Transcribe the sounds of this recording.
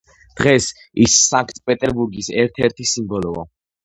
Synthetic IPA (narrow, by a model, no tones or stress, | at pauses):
d̪̥ʁɛs | isːaŋkʰt̪ʰpʼɛt̪ʼɛɾbuɾɡisɛɾt̪ʰɛɾt̪ʰisimbɔlɔa̰